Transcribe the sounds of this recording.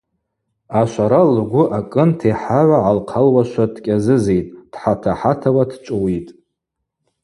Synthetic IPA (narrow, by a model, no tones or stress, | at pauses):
aʃʷaɾalɡʷʊʔakʼɨntʰeħaʕʷaʕalqʰalwaʃʷadkʲʼazɨzejtʼd̥ħatʰaħatʰawadʰt͡ʃʷʼʊwitʼ